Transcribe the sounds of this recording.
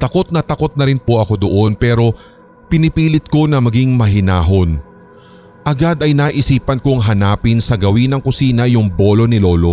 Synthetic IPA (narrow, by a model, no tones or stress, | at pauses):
t̪ɐko̞t̪̚nɐt̪ɐko̞t̪̚nɐɾɪnpo̞ʔɐko̞d̪o̞ʔo̞npɛːɾo̞ | pɪnɪpiːlɪt̪̚ko̞nɐmɐɡiŋmɐɦɪnaːɦo̞n | ʔɐɡad̪ɐjnaːʔɪsiːpɐnkoŋɦɐnaːpɪnsɐɡɐwinɐŋkʊsiːnɐjʊŋbo̞ːlo̞nɪlo̞ːlo̞